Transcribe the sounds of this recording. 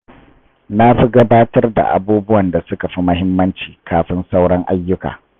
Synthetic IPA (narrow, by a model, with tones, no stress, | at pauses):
na˦ɸi˦ɡɐ˦baː˦tɐ˦rda̰˨ʔa̰˨buː˦bʊ˦wɐ˨nda˨sʊ˦ka˨ɸi˦mɐ˦hɪ˦mːɐ˦nt͡ʃiː˨kʰaː˨ɸɪ˦nsa˦wɽɐ˦ŋʔa˦jːʊ˦ka̰ː˨